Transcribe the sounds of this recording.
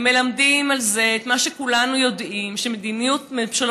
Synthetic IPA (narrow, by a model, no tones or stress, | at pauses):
me̞lamd̪imalzeet̪maʃekulanujo̞dʔimʃemed̪inijutmevʃal